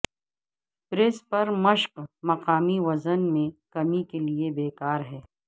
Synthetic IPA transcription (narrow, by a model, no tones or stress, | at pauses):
pɾespɐɾmɐʃqmɐqaːmiʋɐzənmẽkɐmikeliebeːkaːɾɦɛː